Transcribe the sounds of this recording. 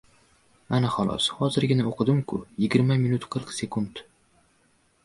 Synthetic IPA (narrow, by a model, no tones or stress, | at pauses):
anaχɒlˠɒ̰shɒzɪɾɡʲɪnaoqʰɨd̪ɪmkʰʊjɪɡʲɪɾmamɪnʊt̪qʰɨɾqse̞kʰund̪